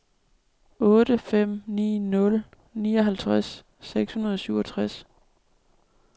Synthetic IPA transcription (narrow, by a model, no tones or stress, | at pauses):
ʔɔ̽ːɾ̥əfem̰nḭːnɔ̽l | niːɒɦælt͡sʰʁasː | eɡ̥shunɐð̞ˠɒ̽syʊɒ̽t͡sʰʁas